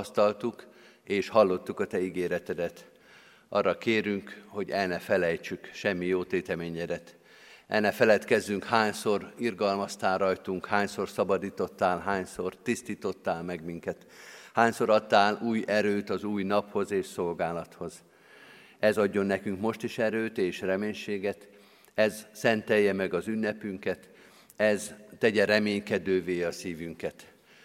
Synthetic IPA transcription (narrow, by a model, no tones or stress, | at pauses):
st̪ɒlt̪uk | eːʃhɒlːo̞t̪ːukɒt̪ɛiɡeːɾɛt̪ɛd̪ɛt̪ | ʔɒ̰rːɒkeːɾyŋkho̞ɟɛlnɛfɛlɛjt͡ʃykʃɛmːijoːt̪eːt̪ɛmeːɲɛd̪ɛt̪ | ʔɛ̰lnɛfɛlɛt̪kɛzːyŋkhaːɲso̞rirɡɒlmɒst̪aːlrɒjt̪uŋkhaːɲso̞rsɒbɒd̪iːt̪o̞t̪ːaːlɦaːɲsort̪ist̪iːt̪o̞t̪ːaːlmɛɡmiŋkɛt̪ | haːɲso̞ɾɒt̪ːaːluːjɛɾøːt̪ɒzuːjnɒpho̞zeːʃso̞lɡaːlɒt̪ho̞z | ɛzɒɟːo̞nːɛkyŋkmo̞ʃt̪iʃɛɾøːt̪eːʃrɛmeːɲʃeːɡɛt̪ | ɛzsɛnt̪ɛjːɛmɛɡɒzynːɛpyŋkɛt̪ | ɛzt̪ɛɟɛɾɛmeːɲkɛd̪øːveːɒsiːvyŋkɛt̪